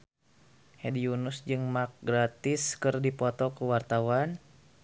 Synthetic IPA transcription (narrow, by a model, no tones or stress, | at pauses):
hediunusd͡ʒɨŋmak̚ɡɾat̪ɪskɨrdipɔt̪ɔkuwart̪awan